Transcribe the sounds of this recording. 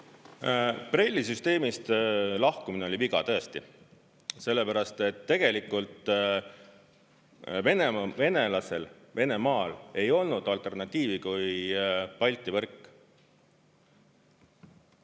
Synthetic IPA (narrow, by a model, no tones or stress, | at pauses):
pre̞lʲːisyst̪e̞ːmist̪lɑhkumineoliviɡ̥ɑ̰t̪ɤ̞est̪i | se̞lːepæɾɑst̪e̞t̪ːe̞ɡ̥e̞likːˑult̪ˑ | ve̞neve̞ne̞lɑse̞l | ve̞ne̞mɑːle̞jo̞lnud̪̥ɑlt̪ˑe̞rnɑt̪ʲːˑiːvikujpɑlʲt̪ːˑivɤrkːˑ